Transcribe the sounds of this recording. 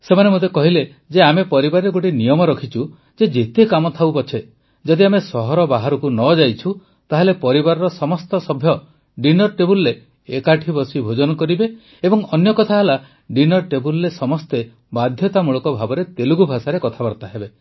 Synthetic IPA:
semanemot̪ekɔɦile | d͡ʒeamepɔɾibaɾeɡoʈinijɔmɔɾɔkʰit͡ʃu | d͡ʒed͡ʒet̪ekamɔt̪ʰawpɔt͡ʃʰe | d͡ʒɔd̪iamesɔɦɔɾɔbaɦaɾɔkunɔd͡ʒajt͡ʃʰu | t̪aɦelepɔɾibaɾɔɾɔsɔmɔst̪ɔsɔbʱjɔ | ɖinɔɾʈebulɾe | ekaʈʰibɔsibʱod͡ʒɔnɔkɔɾibeː | bɔŋɔnjɔkɔt̪ʰaɦela | ɖinɔɾʈebulːesɔmɔst̪e | bad̪ʱjɔt̪amuɭɔkɔbʱabɔɾet̪eluɡubʱasaɾekɔt̪ʰabaɾt̪aɦebe

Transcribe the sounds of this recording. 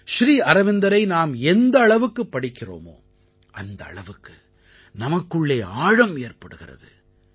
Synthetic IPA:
ʃɾiːɐɾɐʋɪnd̪ɐɾɐɪnaːmɛnd̪ɐːɭɐʋɯkːɯpːɐɽɪkːɪro̰ːmo̰ː | ʔɐnd̪ɐ̰ːɭɐʋɯkːɯ | nɐmɐkːɯɭːeːaːɻɐmeːrpɐɽɯɣɪrɐ̰ðɯ̰

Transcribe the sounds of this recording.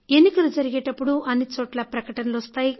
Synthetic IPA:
e̞nːikɐlud͡ʒɐɾiɡeːʈɐpːuɽuʔɐnːit͡ʃoːʈlɐpɾɐkɐʈɐnɐlɔst̪aːji

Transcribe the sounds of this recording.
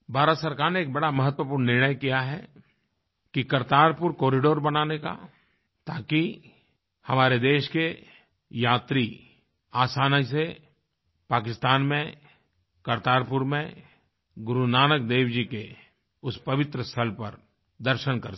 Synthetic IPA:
bʱaːɾət̪sɐɾkaːɾneːk̚bɐɽamɐɦət̪wəpʊːɾɳnɪɾɳ̃əjkijaɦɛ̰ | kikɐɾt̪aːɾpʊɾkɔːɾɪɖoːɾbɐnaːneka̰ | t̪aːki | hɐmaːɾed̪eːʃke | jaːt̪ɾi | aːsaːnəis̬e | paːkɪst̪aːnmẽ | kɐɾt̪aːɾpʊɾmẽ | ɡʊɾunaːnək̚d̪eːwd͡ʒike | ʊspɐʋɪt̪ɾəst̪ʰəlpɐɾ | d̪ɐɾʃənkɐɾ

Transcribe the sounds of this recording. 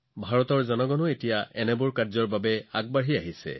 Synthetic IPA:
bʱaɹɔtɔɹzɔnɔɡɔnʊetijaʔɛnɛbʊɹkaɹzɔɹbabɛaɡ̚baɹiaɦisɛ̰

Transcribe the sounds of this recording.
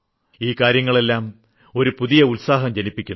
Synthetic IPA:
iːkaːɾjɐŋːɐɭe̞lːaːm | o̞ɾupuðijɐulsaːɦɐmd͡ʑɐnipːikʲːun

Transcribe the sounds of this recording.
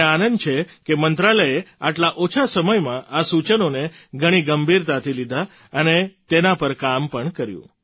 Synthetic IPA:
anənd̪t͡ʃʰekemənt̪ɾaləjeaʈlaʔot͡ʃʰasəməjmãʔasut͡ʃənoneɡʱəɽ̃iɡəmbʱiɾt̪at̪ʰilid̪ʱa | ənet̪enapəɾkampəɳkəɾjṵ̃

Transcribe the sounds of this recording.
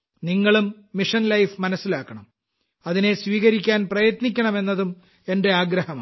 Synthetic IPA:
niŋːɐɭumː | iʂɐnlɐjfmɐnɐsːilaːkːɐɳɐm | ɐðine̞sʋiːɣɐɾikʲːaːnprɐjɐt̪nikʲːɐɳɐme̞nːɐðum | e̞nde̞aːɡɾɐhɐma

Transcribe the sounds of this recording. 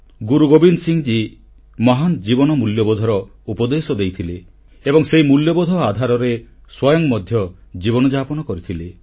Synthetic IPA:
ɡuɾuɡobinsiŋd͡ʒi | mɔɦand͡ʒibɔnɔmuljɔbɔd̪ʱɔɾɔupɔd̪esɔd̪ejt̪ʰile | ebɔŋsejmuljɔbɔd̪ʱɔad̪ʱaɾɔɾeswɔjɔŋmɔd̪ʱjɔd͡ʒibɔnɔd͡ʒapɔnɔkɔɾit̪ʰile

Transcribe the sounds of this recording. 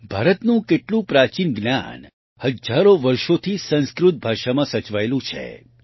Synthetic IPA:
bʱaːɾət̪nũkeʈlũpɾat͡ʃinɡnja̰n | həd͡ʒaɾoʋəɾʃot̪ʰisə̃nskɾut̪̚bʱaʃamãsət͡ʃʋaelũt͡ʃʰḛ

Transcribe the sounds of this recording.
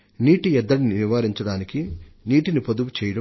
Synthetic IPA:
niːʈiɛd̪ːɐɽiniʋiʋaːɾiɲt͡ʃɐɽaːnikiniːʈinipɐd̪uʋut͡ʃɛːjɐɽɐ

